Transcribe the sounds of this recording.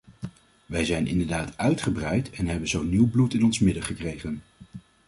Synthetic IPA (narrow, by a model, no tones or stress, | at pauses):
ʋɛjzɛjnʔɪ̰ndəɹdaːtœɥtχəbrɛjtɛnɦɛbənzownːiwblutɪnɔnsmɪdəχəkrejχən